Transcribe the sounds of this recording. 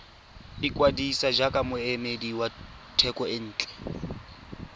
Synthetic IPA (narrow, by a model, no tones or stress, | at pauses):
ikʼwadisad͡ʒakʼamʊɛmediwa | tʰɛkʼɔɪn̩ːt͡ɬʼɛ̥